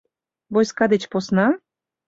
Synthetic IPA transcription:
βojskɑd̪et͡ɕposnɑ

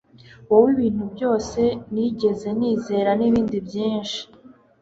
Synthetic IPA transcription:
wowiβiːn̥ubjo̞ːse̞niɟe̞ze̞niːze̞ːɾaniβiːndibjiːnʃi̥

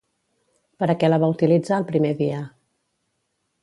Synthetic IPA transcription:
pəɾəkɛləβ̞aut̪ilid͡zaəlˠpɾimeβiə

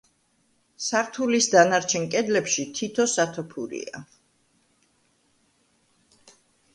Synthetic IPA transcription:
saɾt̪ʰulisd̪anaɾt͡ʃʰɛnkʼɛd̪lɛpʃit̪ʰit̪ʰɔsat̪ʰɔpʰuɾḭa̰

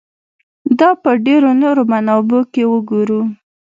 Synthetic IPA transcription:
d̪ɑpəɖeɾonoɾomanɑbokewəɡuɾu

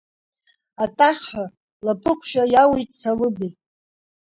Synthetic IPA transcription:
atʼaχʲħʷa | lapʼɨkʷʰʃᶣajawejtʼt͡sʰalɨbejtʼ

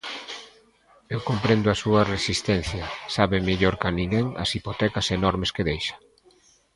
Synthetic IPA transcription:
ewkompɾend̪ʊɐsuɐresist̪ɛn̟θjɐsaβemeʎoɾkɐnĩŋɡɛŋɐ̰sipot̪ɛkɐsenɔɾmeskeðejʃɐ̥

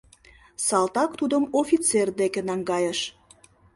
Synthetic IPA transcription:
sɑlt̪ɑkt̪ud̪əmofʲit͡serd̪ekenɑŋɡɑjəʃ

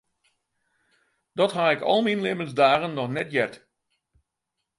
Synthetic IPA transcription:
d̥ɔtɦaɪkɔ̰lˠminlɪmənzdaːɣənːɔxnɛtjɛrt

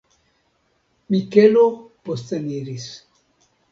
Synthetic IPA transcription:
mikeloposteniɾis

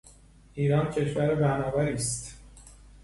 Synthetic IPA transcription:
ʔiːɾɒːncʰe̞ʃvæɾebænɒːbæɾiːst̪

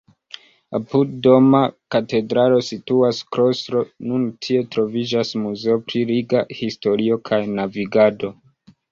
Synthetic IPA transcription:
apud̚do̞makate̞dɾalo̞situaskɾo̞stɾo̞nuntʰie̞tɾo̞vid͡ʒasmuze̞opɾiɾiɡahisto̞ɾio̞kʰajnaviɡado̞

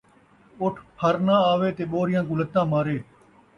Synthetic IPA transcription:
ʊʈʰpʰəɾnãːaːʋeːt̪eːɓoːɾɪjãːkũːlət̪ːãːmaːɾeː

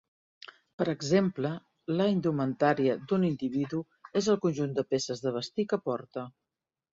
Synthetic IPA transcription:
pəɾəɡzemplə | laind̪umənt̪aɾiəd̪unind̪iβiðu | ezəlˠkunʲʒund̪əpesəzðəβ̞əst̪ikəpɔɾt̪ə

